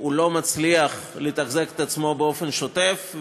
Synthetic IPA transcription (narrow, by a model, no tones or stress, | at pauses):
ulo̞mat͡sliaχlit̪aχzeke̥t̪at͡smo̞beo̞fe̞nʃo̞te̞f